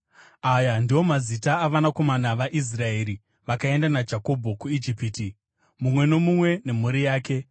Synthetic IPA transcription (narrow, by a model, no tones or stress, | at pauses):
ajandiwo̞mazitaːʋanako̞manaʋaʔis̬raeːɾi | ʋakae̞ndanad͡ʒako̞bʱo̞kuid͡ʒipiti | mumwe̞no̞mumwe̞ne̞m̤uɾijaːke̞